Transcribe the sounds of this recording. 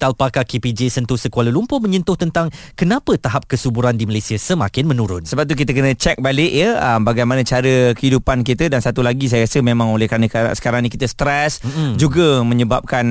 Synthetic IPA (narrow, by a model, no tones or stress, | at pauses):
t̪alpakakepid͡ʒesənt̪ʊhsəkoalalumpʊhmə̃ɲənt̪ʊht̪ənt̪aŋkənãpət̪aɦap̚kəsubuɾandiməlajsiasəma̰kɪnmə̃nuɾʊ̰nsəbap̚t̪uk̬it̪əkənə̃t͡ʃɛk̚balɪʔjəəmbaɡajmanə̃t͡ʃaɾəkəhidupankit̪ədansat̪ulaɡis̬ajaɾasəmemãŋolɛhkəɾanə̃ka̰sə̥kaɾaŋnĩkit̪əst̪ɾɛsd͡ʒuɡəmə̃ɲəbap̚kan